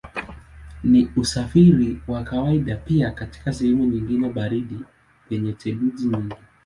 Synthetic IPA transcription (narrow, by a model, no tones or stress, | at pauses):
niusafiɾiwakawaiɗapiakati̥kasɛhɛmuɲiŋɡinɛɓaɾiɗi | pɛɲɛtʰɛɗuzimiŋɡi